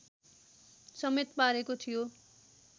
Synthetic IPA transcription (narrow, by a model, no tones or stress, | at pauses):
sʌmet̪paɾekot̪ʰijo